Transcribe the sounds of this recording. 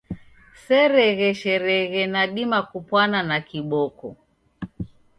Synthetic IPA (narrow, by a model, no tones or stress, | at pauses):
sɛɾɛɣɛʃɛɾɛɣɛnaɗimakupwananakiɓɔkɔ